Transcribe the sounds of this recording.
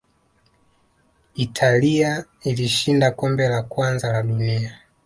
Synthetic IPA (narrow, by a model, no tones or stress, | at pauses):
itʰalia | iliʃindakɔmbɛlakwanzalaɗunia